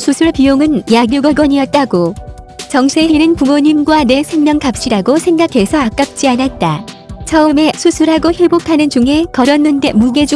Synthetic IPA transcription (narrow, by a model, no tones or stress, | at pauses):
sʰusʰuɭpijoŋɯnjaɡjuɡʌɡwʌɲiʌt̚t͈aɡo | t͡ɕʌŋsʰe̞ɦiɾɯnpumoɲimɡwane̞sʰe̞ŋmjʌŋkap̚ɕ͈iɾaɡosʰe̞ŋɡakʰe̞sʰʌak͈ap̚t͡ɕ͈ianat̚t͈at͡ɕʰʌɯme̞sʰusʰuɾɦaɡohe̞bokʰanɯnd͡ʑuŋɦe̞kʌɾʌnːɯnde̞muɡe̞d͡ʑu